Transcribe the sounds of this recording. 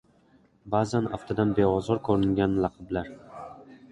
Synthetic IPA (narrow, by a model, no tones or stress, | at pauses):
baːzanaft̪ʰad̪anbe̞ɒzɒɾkʰɵɾɪŋɡʲanlˠɑqʰɨblaɾ